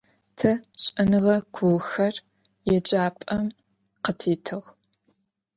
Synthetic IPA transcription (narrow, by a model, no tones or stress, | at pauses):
tʰɐɕʼɐnɨʁɐkʷʰuwxɐr | jɛd͡ʒʼaːpʼɐm | qətʰiːtʰɨʁ